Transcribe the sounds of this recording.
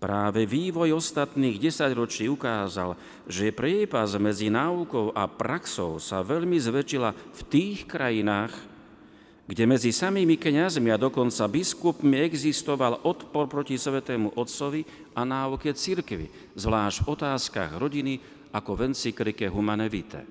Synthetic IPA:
pɾaːʋɛʋiːʋɔjɔst̪at̪niːɣɟɛsaɟɾɔt͡ʃiːukaːza̰l | ʒɛpɾɪɛːpazmɛd͡zinaːukɔʊʔa̰pɾaksɔʊsa̰ʋɛʎmizʋɛt͡ʃilaft̪iːxkɾajinaːx | ɡɟɛmɛd͡zisamiːmikɲazmiad̪ɔkɔnt͡sabiskupmiɛɡzist̪ɔʋalɔt̪pɔɾpɾɔcisʋɛt̪ɛːmuʔɔt̪sɔʋi | anaːukɛt͡siɾkʋḭ | zʋlaːʒd̥vɔt̪aːska̰ɣɾɔɟini | akɔʋɛnt͡sikɾikɛɦumanɛʋit̪ɛ̰

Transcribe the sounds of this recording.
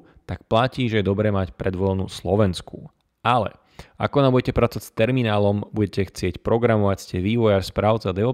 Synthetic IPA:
t̪ak̚placiːʒɛjɛd̪ɔbɾɛːmacpɾɛd̪ʋɔlnuslɔʋɛnsku | alɛ̰ | akɔnambuɟɛcɛpɾat͡sɔʋacst̪ɛɾminaːlɔmbuɟɛcɛxt͡sɪɛcpɾɔɡɾamɔʋacscɛʋiːʋɔjaɾspɾaːʊt͡sɛd̪ɛɔ

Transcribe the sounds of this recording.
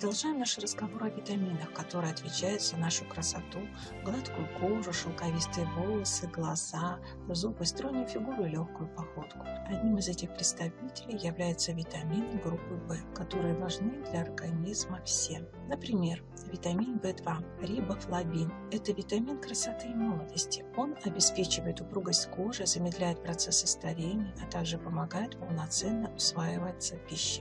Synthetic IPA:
əd̪ɐlˠʐajɪmnaʂɨrəzɡɐvo̞ɾɨɐvʲɪt̪ɐmʲinəxkɐt̪o̞ɾɨjɐt̪vʲɪt͡ɕæjɪt̪sənaʂʊkɾəsɐt̪u | ɡlˠat̪kʊjʊkoʐʊʂɨlˠkɐvʲist̪ɨjəbolˠəsɨɡlˠɐz̥a | zupɨst̪ɾonʲʊjfʲɪɡuɾʊɪlʲoxkʊjʊpɐxo̞t̪kʊ̥ɐd̪ʲnʲimɨzɛtʲɪxpɾʲɪt̪st̪ɐvʲitʲɪlʲɪjːɪvlʲæjɪt̪səvʲɪt̪ɐmʲinɨɡɾupːɨbɛkɐt̪o̞ɾɨjəvɐʐnɨd̪lʲɐɐrɡɐnʲizməfsʲe | nəpɾʲɪmʲe̞r | vʲɪt̪ɐmʲinbɛd̪vaɾʲibəflˠɐbʲin | ɛt̪əvʲɪt̪ɐmʲinkɾəsɐt̪ɨjmolˠəd̪əsʲtʲɪ̥o̞nɐbʲɪspʲet͡ɕɪvəjɪt̪ʊpɾuɡəsʲtʲkoʐɨzəmʲɪd̪lʲæjɪt̪̚pɾɐt̪sɛsːɨst̪ɐɾʲenʲɪjəɐt̪aɡʐɨpəmɐɡajɪt̪pəlˠnɐt̪sɛnːəʊsvajɪvət̪sːəpʲiɕːɪ̥

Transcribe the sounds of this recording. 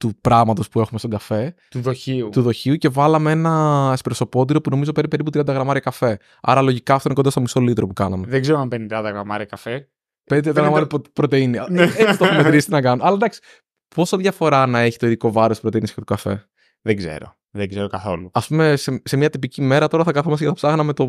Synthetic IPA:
t̪upɾɐɣmɐt̪o̞spue̞xumest̪oɡɐfe̞ | t̪uðoçiut̪uðo̞çiuce̞vɐlɐmeenɐespɾoso̞po̞t̪̬iɾo̞puno̞mizo̞peɾipe̞ɾip̬ut̪ɾiɐnd̪ɐɣɾɐmɐɾiɐkɐfe̞ | ɐ̰ɾɐlo̞ʝikɐft̪oinekond̪ɐst̪omiso̞lit̪ɾopukɐnɐmeðeɡzeɾoɐmpenind̪ɐnd̪ɐɣɾɐmɐɾiɐkɐfe | end̪eɐnɐɣɐmɐɾipɾo̞t̪einieist̪oxmeɾist̪inɐkɐnoɐlɐd̪ɐksi̥ | po̞sɐðʝɐfo̞ɾɐnɐe̞çit̪o̞iðiko̞vɐɾo̞st̪pɾt̪einisçet̪ukɐfe̞̰ | ðeɡze̞̰ɾo̞̰ | ðeɡzeɾokɐθo̞luɐspume̞sese̞mɲɐt̪ipicime̞ɾɐt̪o̞ɾɐθɐkɐθomɐsʝɐt̪ɐpsɐɣnɐme̞t̪o̞

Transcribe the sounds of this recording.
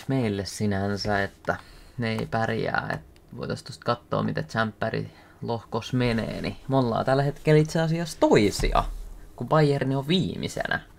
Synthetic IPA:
meilːessinænsæet̪ːæneeipærjæ̰ːḛt̪ | ʋoit̪ɑst̪ost̪kɑt̪ːo̰ːmit̪et͡ʃæmpːærḭ | lohkosmenḛːnimolːɑ̰ːt̪ælːhet̪kelit̪seɑsiɑst̪oisḭɑ̰kupɑiernioʋʋiːmḭsḛnæ̰

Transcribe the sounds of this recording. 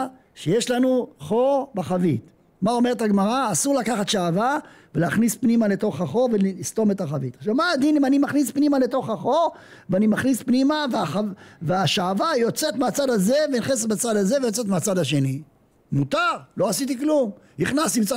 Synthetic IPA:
ʃejeʃlanuχo̞ʁbaχavit̪ | mao̞me̞ʁet̪aɡmaʁaːsuʁlakaχat̪ʃaːva | veleaχnispnimale̞t̪o̞χaχo̞ʁvellist̪o̞me̞t̪aχavit̪aʃavmaːd̪inimanimaχnispnimale̞to̞χaχo̞ʁ | veanimaχnispnimaveaχaveaʃaːvajo̞t͡se̞t̪meat͡sad̪aze̞veniχeset̪̚bat͡sad̪aze̞vejo̞t͡se̞t̪meat͡sad̪aʃe̞ni | mut̪aʁlo̞asit̪̬iklum | niχnast̪imt͡sa

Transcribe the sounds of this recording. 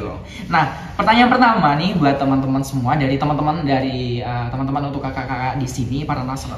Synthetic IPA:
lʊ̰ | nah | pərt̪aɲaanpərt̪amanibuat̪ːəmənt̪əmənsəmuadaɾit̪əmənt̪əməndaɾiət̪əmənt̪əmənunt̪ʊkːakakakaʔdisinipaɾanasər

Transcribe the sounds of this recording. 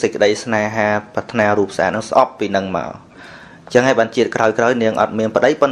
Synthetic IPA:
səc̚kːə̆ɗəjsnaːɦaːpat̪ʰnaːruːp̚sʔa̰ːt̪̚nɨŋsʔɑpːiːnɨŋma̰ɔl | t͡ɕəŋɦaːjɓaːnt͡ɕiət̪̚kraɔjkraɔjniəŋʔɑ̰t̪̚miənpə̆ɗəjpɨn

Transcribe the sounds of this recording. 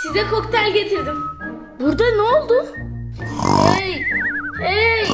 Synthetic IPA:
sizɛkʰokt̪ʰælʲɟet̪ʰiɾd̪im | buɾd̪anɛolˠd̪u | ɛj | e

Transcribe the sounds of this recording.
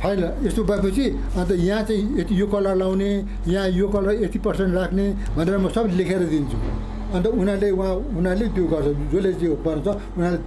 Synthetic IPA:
pʰajlest̪obʌep̬ʌt͡sʰi | ʌnt̪̬ʌjãt͡saĩet̪ijokʌlalawne | jãjokʌlaet̪ipʌrsenʈrakʰne | bʱʌneɾʌmʌsʌblekʰeɾʌd̪int͡sʰu | ʌnt̪ʌunaleuɦãunalet̪joɡʌrt͡sʰʌd͡zolet͡siĩbʌnãt͡sʰʌ | unale

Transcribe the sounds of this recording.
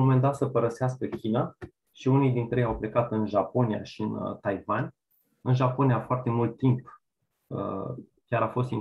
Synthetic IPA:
ome̞nd̪at̪səpəɾəseaskəkʲina | ʃiunijd̪int̪ɾejejawple̞kat̪ɨnʒapo̞nija̰ʃiɨnt̪ajvanʲ | ɨnʒapo̞nijafoart̪e̞mult̪ːimp | ə̰ | kʲaɾafo̞st̪in

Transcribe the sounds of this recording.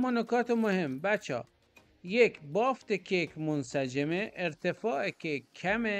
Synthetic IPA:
mɔnokɒːt̪ʰemohembæt͡ʃʰɒ̰ː | jekʰbɒːft̪ekʰekʰʲmonsæd͡ʒemeʔːɾt̪ʰefɒːekʲʰekʰæme

